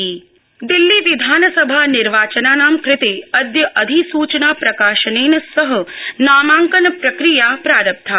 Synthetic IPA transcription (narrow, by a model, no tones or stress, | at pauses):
d̪ɪlːiʋid̪ʱaːnsəbʱanɪɾʋaːt͡ʃənaːnaːmkɾɪt̪eəd̪jəʔəd̪ʱisuːt͡ʃnaːpɾɐkaːʃəneːnəsəɦənaːmãːŋkənpɾɐkɾijapɾaːɾəp̚t̪ʰaː